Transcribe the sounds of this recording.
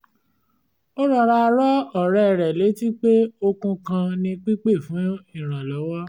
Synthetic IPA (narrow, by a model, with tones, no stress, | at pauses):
o˦ɾɔ˧ɾa˦˧ɾɔ˦ɔ˦˨ɾɛ˨ɾɛ˨le˨˦ti˦k͡pe˦o˧kũ˧kã˧nĩ˧k͡pi˦k͡pe˦˨fũ˨˦ĩ˦˨ɾ̃ã˨lɔ˨˦wɔ˦